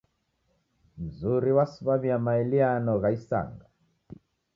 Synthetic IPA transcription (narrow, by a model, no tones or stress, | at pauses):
m̩zuɾiwasuβaβiamaɛlianɔɣaisa̰ŋɡa